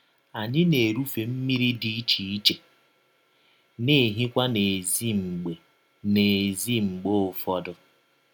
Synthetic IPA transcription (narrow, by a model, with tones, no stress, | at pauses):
a˨ɲɪ˦ne˨ɾu˦fe˨m̩˦mi˦ɾi˦di˨i˦t͡ʃi˨i˦t͡ʃe˨ | ne˨ɦi˦kʷa˦ne˨zi˦ŋ͡m̩˨ɡ͡be˨ | ne˨zi˦ŋ͡m̩˨ɡ͡bo˦ʊ˨fɔ˦dʊ˦